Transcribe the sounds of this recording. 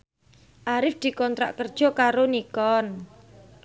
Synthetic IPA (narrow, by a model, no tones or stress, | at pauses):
ʔaɾɪfd̪̥i̤kɔnt̪ɾa̰ʔkərd̥ʒ̥ɔ̤kaɾonikɔn